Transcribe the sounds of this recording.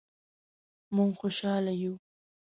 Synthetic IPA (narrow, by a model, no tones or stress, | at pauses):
mʊŋxʊʃaːlajuː